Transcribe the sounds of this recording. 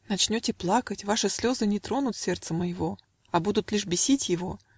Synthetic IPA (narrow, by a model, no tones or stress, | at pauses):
nɐt͡ɕnʲotʲɪplˠakətʲvaʂɨsʲlʲo̞zɨnʲɪt̪ɾo̞nʊt̪sʲert̪səməjɪvo̞ | ɐbud̪ʊt̪lʲiʂbʲɪsʲitʲjɪvo̞